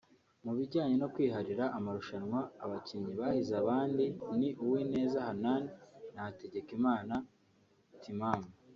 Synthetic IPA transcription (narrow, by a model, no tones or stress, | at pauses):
muβiɟaːɲe̞no̞kwiːɦaɾiɾaʔːmaɾuʃanŋwaːβaciɲiβaːhizaβaːndiniʔuwine̞ːzahananinate̞ɟe̞kimaːna | tʰimaːmu